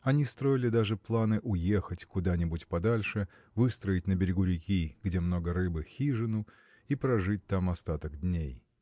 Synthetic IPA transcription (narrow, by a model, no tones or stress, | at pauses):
ɐnʲist̪ɾo̞ɪlʲɪd̪aʐɨplˠanɨʔʊje̞xətʲkʊd̪anʲɪbʊtʲpɐd̪alʲʂɨ | vɨst̪ɾəɪtʲnəbʲɪɾʲɪɡʊɾʲɪkʲiɡdʲe̞mno̞ɡəɾɨbɨxʲiʐɨnʊ | ipɾɐʐɨt̚ʲt̪amɐst̪at̪əɡd̪ʲnʲej